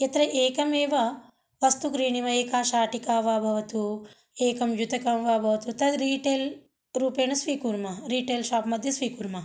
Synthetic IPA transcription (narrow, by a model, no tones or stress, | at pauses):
et̪ɾɐʔeːkɐmeːʋɐ | ʋɐst̪ukɾiːɳiʋɐeːkaːʃaːʈikaːʋaːbʱɐʋɐt̪u | eːkɐmjut̪ɐkɐmʋaːbʱɐʋɐt̪ut̪ɐd̪ɾiːʈeːl | ɾuːpeːnɐsʋiːkuːɾmɐɾiːʈeːlʃaːpmɐd̪ʱjɐsʋiːkuːɾmɐ